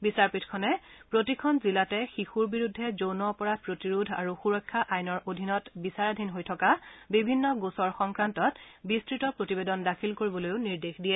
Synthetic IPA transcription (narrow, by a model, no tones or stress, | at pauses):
bisaɹpitʰkʰɔnɛpɹotikʰɔnzilatɛxixuɹbiɹudʱːɛzownɔpɔɹapɹotiɹudʱa̰ɹuxuɹɔjkʰːaʔajnɔɹʔodʱinɔtbisaɹadʱinɦojtʰɔkabibʱinːɔɡusɔɹxɔŋkɹantɔtbistɹitɔpɹotibedɔndakʰilkoɹibɔlojʊniɹdexdijɛ